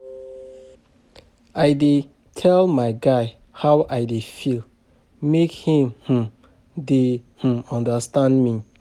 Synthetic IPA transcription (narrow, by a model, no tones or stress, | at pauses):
ajde | tʰɛlmaɪɡaɪ | hawʔajdefil | mekhĩmh̩ | dehũmɔ̃ndəstãndmi